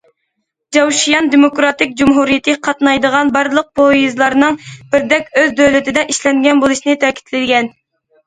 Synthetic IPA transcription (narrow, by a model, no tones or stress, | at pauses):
d͡ʒɑwʃijɑnd̪emokɾɑt̪ɪk̚ʲd͡ʒumɦuɾijɪt̪ʰɨqʰɑt̪nɑjd̪əʁɑnbɑɾlˠəq̚pʰojizlˠɑɾnɨŋb̥ɪɾd̪ɛkʲøzd̪øwlɪt̪ɪd̪ɛʔiʃlɛŋɡʲɛnbolˠuʃnɨt̪ʰɛkʲʰi̥t̪lɪd̪ɡʲɛn